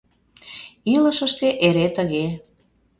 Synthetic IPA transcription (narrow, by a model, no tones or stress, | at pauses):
ilə̆ʃəʃt̪eʔeɾet̪əɣe